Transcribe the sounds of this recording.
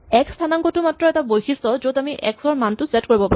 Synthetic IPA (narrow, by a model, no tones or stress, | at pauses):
ɛkstʰanaŋkɔtʊmatɹɔɛtabojxisɔzodamiʔɛ̰ksɔɹmantʊsɛtkoɹibɔpa